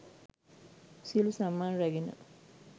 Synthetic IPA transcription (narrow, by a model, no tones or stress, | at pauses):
silusamːaːnɾæɡinə̰